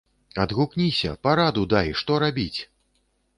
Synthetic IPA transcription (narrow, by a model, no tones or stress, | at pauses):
ɐd̪ɣuknʲisʲɐ̰paɾad̪ud̪ajʂt̪ɔɾabʲit͡sʲ